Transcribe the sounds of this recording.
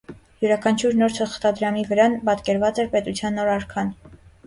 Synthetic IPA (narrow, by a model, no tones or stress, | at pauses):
juɾɑkʰɑnt͡ʃʰuɾnɔɾt̪ʰəχt̪ɑd̪ɾɑmivəɾɑnbɑt̪kɛɾvɑt͡sɛɾpɛt̪ut͡sʰjɑnːɔɾɑɾkʰɑn